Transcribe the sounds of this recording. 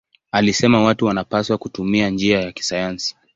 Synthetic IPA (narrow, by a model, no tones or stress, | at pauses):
alisɛmawatuwanapaswakutumiand͡ʒiajaki̥sajansi̥